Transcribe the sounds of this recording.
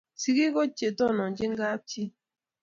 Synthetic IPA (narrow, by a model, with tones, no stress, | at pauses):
si˦ɡi˦kɔ˦t͡ʃe˨tɔ˦˨nɔ˨ɲd͡ʒɪ˦ŋɡa˦p̚t͡ʃi˦